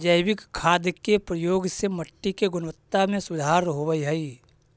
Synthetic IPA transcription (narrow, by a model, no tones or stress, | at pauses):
d͡ʒəjwɪkkʰːaːd̪kepɾəjoːɡseməʈːikeɡʊnʋət̪ːamẽsʊd̪ʱaːɾɦowəiɦəi